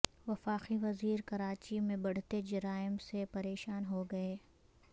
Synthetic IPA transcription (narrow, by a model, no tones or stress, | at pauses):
ʋɐfaːqiʋɐziːɾkɐɾaːt͡ʃimẽbɐɽ̤t̪ed͡ʒɐɾaːɪmsepɐɾeːʃaːnɦoɡɐeː